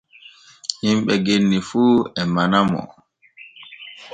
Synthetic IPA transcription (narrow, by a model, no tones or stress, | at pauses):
himɓɛɡenːifuːɛmanamɔ̰